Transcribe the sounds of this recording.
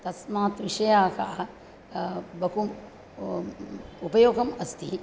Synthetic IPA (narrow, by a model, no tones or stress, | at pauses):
t̪ɐsmaːt̪ʋiʂɐjaːka̰ʔɐ | bɐkum | upɐjoːɡɐmɐst̪ʰi